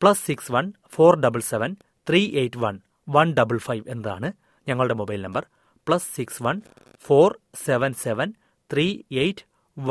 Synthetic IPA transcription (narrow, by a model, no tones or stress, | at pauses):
pɭɐsːiksʋɐn | fo̞ːrɖɐbɨlseʋɐn | t̪riːʔejʈːʋɐn | ʋɐnɖɐbɨlfɐjʋe̞nːɐða̰ːɳɨ | ɲɐŋːɐɭɨɽe̞mobɐjlnɐmbɐr | pɭɐsːiksʋɐn | foːrseʋɐnseʋɐn | t̪riːejʈː